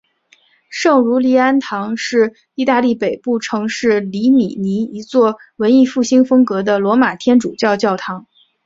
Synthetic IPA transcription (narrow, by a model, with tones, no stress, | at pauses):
ʂɤ˥˩ŋɻu˧˥li˧˥a˥nt̪ʰɑ˧˥ŋʂɻ̩˥˩ | i˥˧t̪a˥˧li˥˩pe˨˩ɪpu˥˩ʈ͡ʂʰɤ˧˥ŋʂɻ̩˥˩li˧˥mḭ˨˩ni˧˥i˧˥t͡swɔ˥˩wə˧˥ni˥˧fu˥˩ɕi˥ŋfɤ˥ŋkɤ˧˥d̪ə˧lwɔ˧˥ma˨˩t̪ʰjɛ˥nʈ͡ʂu˨˩t͡ɕjɑ˥˧ʊt͡ɕjɑ˥˩ʊt̪ʰɑ˧˥ŋ